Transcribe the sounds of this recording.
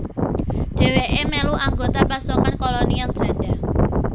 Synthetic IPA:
ɖ̥e̤weʔemɛluʔaŋɡot̪apasokankolɔnijalb̥ɾaɖ̥a

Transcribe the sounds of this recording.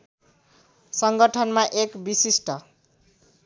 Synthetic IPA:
sʌŋɡʌʈʰʌnmaʔekbisisʈʌ

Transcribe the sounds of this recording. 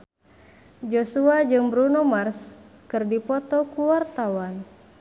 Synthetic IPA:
d͡ʒosuad͡ʒɨŋbɾunɔmarskɨrdipɔt̪ɔkuwart̪awan

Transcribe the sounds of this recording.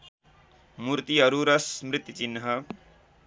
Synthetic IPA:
muɾt̪iʌɾuɾɐsmɾit̪ːjut͡ʃinːɦʌ

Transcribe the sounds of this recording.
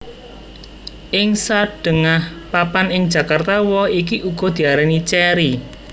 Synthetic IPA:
ʔɪŋsaɖ̥ə̤ŋahpapanɪŋ̥d͡ʒa̤kart̪awɔik̬iʔuɡ̥ɔ̤d̪̥i̤aɾɛnit͡ʃɛɾi

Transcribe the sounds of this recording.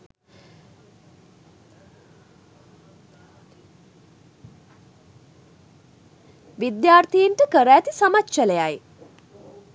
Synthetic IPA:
ʋid̪jaːrt̪ijiɳʈəkəɾæːt̪isamat̪ːʃəlejaj

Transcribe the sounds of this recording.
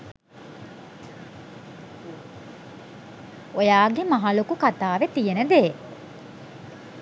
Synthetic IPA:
ojaːɡemaɦalokukat̪aːʋet̪ijenəd̪eː

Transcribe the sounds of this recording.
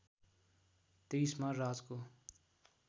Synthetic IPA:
t̪iːsmãɾaːzko

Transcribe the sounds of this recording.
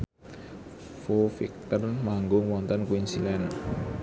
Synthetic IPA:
fofik̚t̪ərmaŋɡʊŋwɔnt̪ənkwinsilɛn

